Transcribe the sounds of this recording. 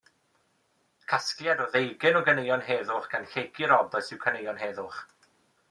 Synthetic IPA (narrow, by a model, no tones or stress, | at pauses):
kʰasklˠjadɔðejɡɪnɔɡənejɔnɦɛðʊχɡ̥anɬejɡɪɾɔdɔsɪwkʰənejɔnɦɛːðʊχ